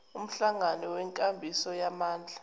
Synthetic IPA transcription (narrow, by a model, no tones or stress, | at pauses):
um̩ɬaŋanɔwɛŋkʼambʱisɔjamaːnd͡ɮʱa